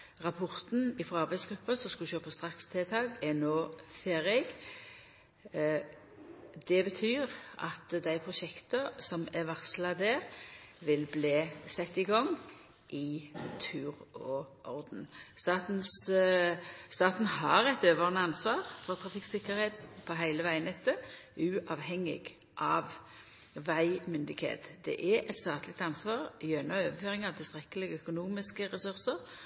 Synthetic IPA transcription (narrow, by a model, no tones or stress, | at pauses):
ʁɑpʰɔʁt̪n̩ɪfɾɔɑʁbæɪtsɡ̥ɾʉpːəsɔskʉʃøːpəst̪ʁɑkst̪ʰɛːt̪ʰɑːɡɛnoːfeːɾɛɡ | d̪̥ɛbət̪ʰyːʁʔɑ̰t̪d̪æɪpʰʁʊʃɛkt̪əsɔmæʋæʁslɑd̪æɾʋɪlbleːsɛt̪ːɪɡɔŋː | ʔɪt̪ʰʉːʁɔʔɔʁd̪n̩st̪ɑːt̪n̩s | st̪ɑːt̪nhɑɾɛt̪øːʋəʁnəɑnsʋɑːʁfɔt̪ʰʁɑfɪkːsɪkəɾeːt̪pʰɔɦæɪləʋæɪənɛt̪ːəʔʉːʔɑʋɦɛŋɪ̰ɡ | ʔɑːʋ | ʋæɪmʏnd̪ɪɡhḛːt̪d̪ɛ̰ʔɛʔɛt̪st̪ɑːt̪lɪk̚t̪ɑnsʋɑːʁjøːnɑøːʋəføːʁɪŋɑʋt̪ʰɪlst̪ʁɛkəlɪɡəœkʊnuːmɪskəʁɛsʉʁsəʁ